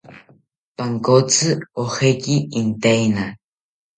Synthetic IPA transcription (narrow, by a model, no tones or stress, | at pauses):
paŋkot͡sʰɨoxekiint̪ejna